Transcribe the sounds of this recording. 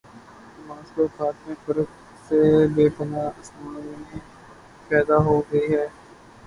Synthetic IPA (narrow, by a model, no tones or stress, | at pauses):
maːskoːxaːt̪mẽfəɾək | sebeːpənaːɐsmaːnmẽ | pɛːd̪aɦoːɡɐiɦɛː